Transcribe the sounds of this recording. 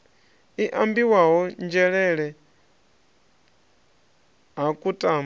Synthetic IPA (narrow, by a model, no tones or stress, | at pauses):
iʔambiwaɦɔnd͡ʒɛɺɛɺɛ | ɦakʼutʼam